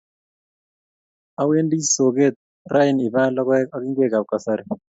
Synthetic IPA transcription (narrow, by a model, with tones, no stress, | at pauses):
a˨we˦ndi˦so˨ɡe˦˨t̪̚ | ra˦ɪ˨ni˨ba˦lɔ˦kɛ˦a˦kɪ˦ŋɡwe˦ka˨ka˨sa˦ɾi˦˨